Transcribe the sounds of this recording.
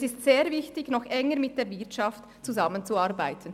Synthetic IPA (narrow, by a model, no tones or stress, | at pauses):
sɪstseːɾvɪçtɪçnɔxʔɛŋəɾmɪt̚d̥eːɾvɪɐtʃɑft | t͡suzamənt͡suaɾbaɪtʰən̩